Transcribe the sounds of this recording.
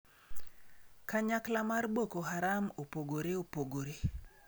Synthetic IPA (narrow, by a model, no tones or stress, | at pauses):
kaɲaklamarbokoɦaɾamopoɡoɾeopoɡoɾe